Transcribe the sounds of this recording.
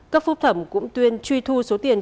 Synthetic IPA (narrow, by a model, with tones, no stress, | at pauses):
kkaː˦˥k̚fʊ˦˥k͡p̚t̪ʰə˧˩mkʊ̰˧˥ŋ͡mt̪wi˧ənt͡ɕwi˧t̪ʰu˧so˨˦t̪i˨˩ən